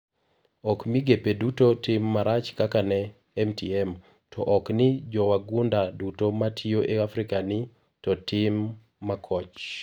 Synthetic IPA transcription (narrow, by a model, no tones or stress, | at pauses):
ɔkmiɡepedutotimːaɾat͡ʃkakanɛ | ɛmtiɛm | tʰɔʔɔknɪd͡ʒɔwaɡundadutomatʰioʔeafɾikanɪ | tɔtɪmː | akʰɔt͡ʃ